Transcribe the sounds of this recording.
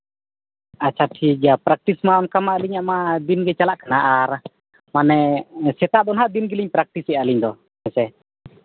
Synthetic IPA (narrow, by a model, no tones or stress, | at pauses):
at͡ʃat̪ʰid͡ʒapɾak̚t̪ismaɔnkamaliɲaʔmadinɡɛt͡ʃalaʔkənaʔaɾ | manɛsɛt̪aʔdɔnɦad̪inɡiliɲpɾak̚t̪isɛaliɲd̪ɔ | mɛsɛ